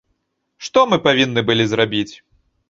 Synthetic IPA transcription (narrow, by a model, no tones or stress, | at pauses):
ʂt̪ɔmɨpavʲinːɨbɨlʲizɾabʲit͡sʲ